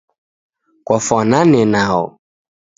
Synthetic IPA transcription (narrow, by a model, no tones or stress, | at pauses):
kɔfɔnãnɪnão̰